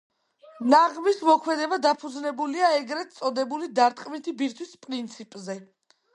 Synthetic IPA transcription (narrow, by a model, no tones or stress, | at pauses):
naʁmismɔkʰmɛd̪ɛbad̪apʰud̪znɛbuliaɛɡɾɛt̪sʼɔd̪ɛbulid̪aɾt̪ʼqʼmit̪ʰibiɾt̪ʰwispʼɾint̪sʰipʼzɛ